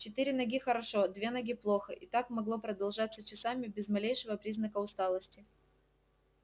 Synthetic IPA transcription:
t͡ɕɪt̪ɨɾʲɪnɐɡʲixəɾɐʂo̞d̪vʲe̞nɐɡʲiplˠo̞xəʔɪt̪akmɐɡlˠo̞pɾəd̪ɐlˠʐat̪sːət͡ɕɪsamʲɪbʲɪzmɐlʲejʂɨvəpɾʲiznəkəʊst̪alˠəsʲtʲɪ

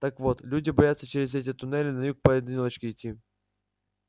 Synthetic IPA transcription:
t̪akvot̪lʲudʲɪbɐjat̪sːət͡ɕɪɾʲɪzɛt̬ʲɪt̪ʊnɛlʲɪnɐjuk̚pɐɪd̪ʲɪnʲolˠət͡ɕkʲɪɪtʲːi

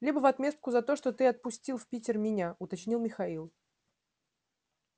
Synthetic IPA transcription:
lʲibəvɐt̪mʲe̞st̪̚kʊzɐt̪o̞ʂt̪o̞t̪ɨɐt̪̚pʊsʲtʲilˠfʲpʲitʲɪrmʲɪnʲaʊt̪ɐt͡ɕnʲilˠmʲɪxɐilˠ

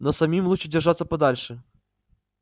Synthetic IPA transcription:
nɔsɐmʲimlˠut͡ʃɪdʲɪrʐat̪sɐpɐd̪alʲʂɛ

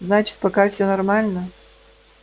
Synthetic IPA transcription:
znat͡ɕɪ̥t̪̚pɐkafsʲonɐrmalʲnə

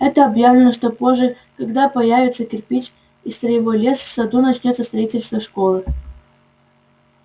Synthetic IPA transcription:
ɛt̪əɐbjavlʲɪnəʂt̪opoʐːɨ | kɐɡd̪apɐjavʲɪt̪səkʲɪrpʲit͡ɕ | ist̪ɾəjɪvolʲe̞sfsɐd̪unɐt͡ɕnʲot̪səst̪ɾɐitʲɪlʲst̪vəʂkolˠɨ

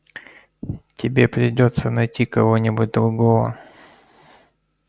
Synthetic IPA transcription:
tʲɪbʲe̞pɾʲɪdʲo̞t̪sənɐjtʲikɐvonʲɪbʊt̚ʲd̪ɾʊɡovə̰

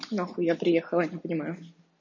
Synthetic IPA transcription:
noxujapɾʲɪjexəlˠənʲɪpənʲɪmajʊ

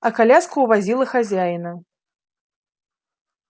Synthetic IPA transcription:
ɐkalʲaskuːvazʲilˠɐxazʲajnɐ

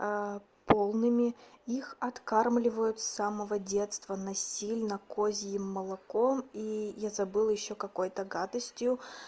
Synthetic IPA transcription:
polˠnɨmʲɪixɐt̪karmlʲɪvəjʊt̪saməvədʲe̞t̪st̪vənɐsʲilʲnəkozʲjɪmːəlˠɐko̞mijazɐbɨlˠjɪɕːokɐko̞jt̪əɡat̪əsʲtʲjʊ

